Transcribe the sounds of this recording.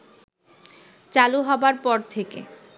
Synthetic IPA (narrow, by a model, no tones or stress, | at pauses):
t͡ɕaluɦɔbaɾpɔɾt̪ʰekḛ